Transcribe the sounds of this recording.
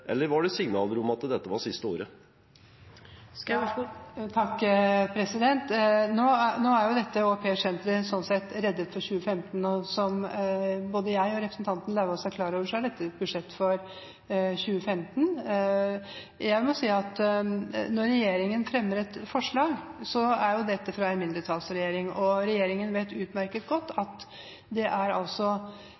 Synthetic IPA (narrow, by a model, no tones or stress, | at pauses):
ʔɛ̰lːəɾʋɑɖɛsɪŋnɑ̰ːləɾʊmɑt̪d̪ɛt̪ːəʋɑʂɪst̪əo̰ːɾə | t̪ʰɑkːpʰɾɛsɪd̪ɛnt̪noːænoːæɾjʊd̪ɛt̪ːəɔpʰeːʂɛnt̪ɾəsɔnsɛt̪ːɾɛd̪ːət̪fɔɾçʉːəfɛmt̪nɔsɔm | boːd̪əjæɪɔɾɛpɾəsn̩t̪ʰɑnt̪nlɑːʋəɔsækʰlɑːɾoːʋəʂɔhæɖɛt̪ːət̪bʉd̪ʂɛt̪ːfɔɾ | çʉːəfɛmt̪n | jæɪmɔsiːɑt̪ | nɔɾːɛjeːɾɪŋənfɾɛmːəɾɛt̪fɔʂɭɑːɡsɔæɾjʊd̪ɛt̪ːəfɾɑɛnmɪnd̪ɾət̪ʰɑːlsɾɛjeːɾɪŋɔɾɛjeːɾɪŋənʋeɪt̪ʉːt̪mæɾkət̪̚ɡɔt̪ːɑt̪ | d̪ɛʔæɾɑ̰lsɔ